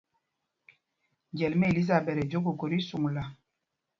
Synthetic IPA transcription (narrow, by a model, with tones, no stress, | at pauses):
ɟɛ˨lmɛ˦e˨li˦za˨bɛ˨ɾɛ˨d͡ʒo˦ɡo˨ko˨ɾi˦su˨ŋla˨